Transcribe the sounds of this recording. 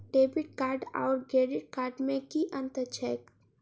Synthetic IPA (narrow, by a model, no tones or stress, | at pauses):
ɖeːbɪʈ̚kaːɾɖa̰ːɾɡeːɖɪʈ̚kaːɾɖmẽkiʔə̃nt̪ət͡ʃʰɛːk